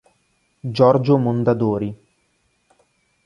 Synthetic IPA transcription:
d͡ʒɔrd͡ʒomond̪ad̪oːɾi

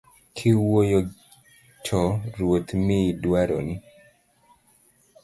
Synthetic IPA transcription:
kʰɪwojo | t͡ʃʰɔɾwot̪miːdwaɾɔ̰nɪ

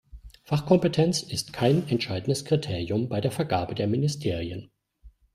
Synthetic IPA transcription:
faχkʰɔmpətʰɛnt͡sɪstkʰaɪnɛntʃaɪdn̩dəskʁ̥itʰeːʁjʊmbaɪdeːɐfɛɐɡaːbədeːɐmɪnɪstʰeːʁiən

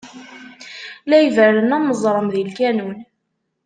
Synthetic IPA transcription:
læjvəɾənæməzˤɾˤəmðilkænun

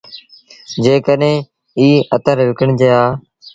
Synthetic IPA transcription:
d͡ʒeːkəɗẽː | iːət̪əɾʋɪkəɳd͡ʒeːaː

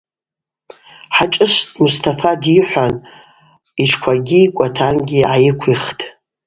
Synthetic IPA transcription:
ħat͡ʃʼɨʂtʼmustʰafadiħʷan | it͡ʃʰkʷʰaɡʲiikʷʼatʰanɡʲiʕajɪkʷʰiχtʰʼ

